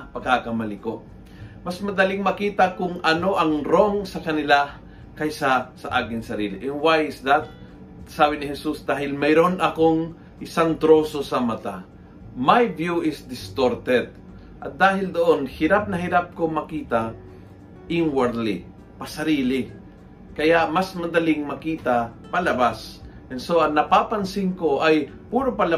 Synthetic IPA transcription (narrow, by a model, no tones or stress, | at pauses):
pɐkakɐmɐlɪkoʔ | mɐsmɐd̪alɪŋmɐkiːt̪ɐkʊŋʔɐno̞ʔɐŋɾoŋsɐkɐnɪla | kajsɐsɐ̰ʔaːkɪŋsɐɾiːlɪʔɛnwajɪsd̪at̪̚ | saːbɪnɪhɛsusd̪aːɦɪlmɛjɾonɐkoŋ | ʔɪsaŋt̪ɾo̞ːso̞sɐmɐt̪a | majbjuʔɪsd̪ɪst̪oɾt̪ɛt̪̚ | ʔɐ̰t̪̚d̪aːɦɪld̪oʔonhɪɾap̚nɐhɪɾap̚komɐkiːt̪a | ʔɪnwaɾd̪lɪ̰ | pɐsɐɾiːlɪ | kɐjaʔmasmɐnd̪ɐlɪŋmɐkiːt̪a | pɐlɐbasʔɛnsoʔɐŋnɐpapansɪŋkoʔaj | puːɾopala